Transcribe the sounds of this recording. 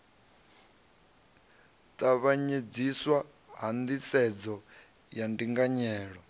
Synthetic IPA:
t̪ʼaβaɲed͡ziswa | ɦand̪it͡sɛd͡zɔ | jandiŋɡaɲɛːɺɔ

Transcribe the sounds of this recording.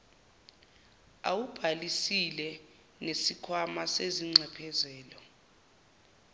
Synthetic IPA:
a̰wub̥ʱalisilɛ | nesikʰwamaseziŋ͡ǀɛpʰɛzɛːlɔ

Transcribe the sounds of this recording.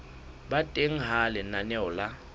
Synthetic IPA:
batʼeŋ̩ɦalɪnanɛʊla

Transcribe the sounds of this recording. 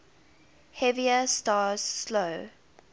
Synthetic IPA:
hɛviəstɑːz̥sloʊ

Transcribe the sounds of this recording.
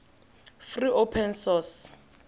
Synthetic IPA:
friʔopʰɛnsɔs

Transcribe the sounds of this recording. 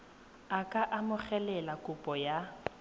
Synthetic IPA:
akʼaʔamʊχɛlɛlakʼʊpʼɔja

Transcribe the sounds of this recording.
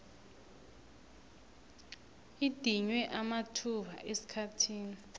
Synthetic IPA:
id̥ʱiɲwɛʔamatʰuɓa̰ʔesi̥kʰatʰiːni

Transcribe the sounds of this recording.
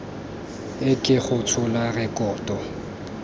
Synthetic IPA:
ɪkʼɪχʊt͡sʰʊlarɛkʼɔːtʼɔ

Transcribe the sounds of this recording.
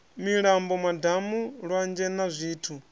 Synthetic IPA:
miɺambɔmadamuɺwand͡ʒɛnazʷiːtʰu

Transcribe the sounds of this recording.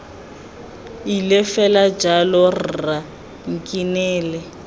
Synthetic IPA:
ilɛfɛlad͡ʒalɔr̩ra | ŋ̩kʼinɛːlɛ

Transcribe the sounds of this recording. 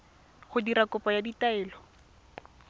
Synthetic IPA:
χʊdiɾakʊpʼajaditaɛːlɔ

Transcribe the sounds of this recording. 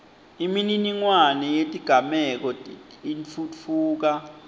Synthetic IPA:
imininiŋwanɛjetʼiɡ̥ʱamɛk̬ɔinfut͡fʰuːk̬a

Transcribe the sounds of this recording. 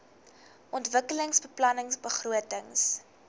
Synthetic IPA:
ʔɔntvəkələŋsbəplɐnəŋsbəχruətəŋs

